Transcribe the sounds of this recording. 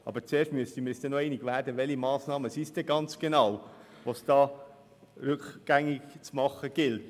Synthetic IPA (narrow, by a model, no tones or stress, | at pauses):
ʔɑ̰bəɾt͡seːɾʃtmyəstimɪɾɛsd̥ɛnɔɛɪniɡʋæːɾd̥əʋɛlimɑːsnɑːməsisd̥ɛɡɑnt͡sɡ̥enɑw | ʋɑsd̥ɑː | ɾʉkɡ̥æŋːɪɡt͡smɑχəɡ̥ɪlt